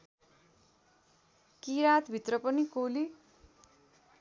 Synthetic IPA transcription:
kiɾat̪bʱit̪rʌpʌnikoli

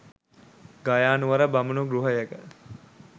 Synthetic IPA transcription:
ɡajaːnuʋɐɾəbɐmunuɡɾuɦəjəɡə

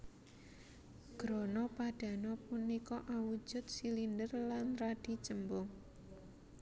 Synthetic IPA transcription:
ɡ̥ɾonɔpad̥ä̤nɔpunːikɔʔawu̥d͡ʒ̥ʊt̪̚silindərlanrad̥i̤t͡ʃəmbʊŋ

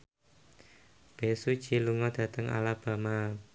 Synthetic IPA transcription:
b̥esud̥ʒ̥i̤luŋɔd̪̥ä̤t̪əŋʔa̰lab̥a̤ma

